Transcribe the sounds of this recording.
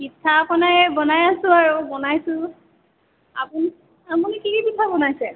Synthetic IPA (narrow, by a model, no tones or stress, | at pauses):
kitʰːapɔnajɛbɔnajasʊ̃aɹubɔnajsʊ̃ | a̰pun | apunikikipitʰːabɔnajsɛ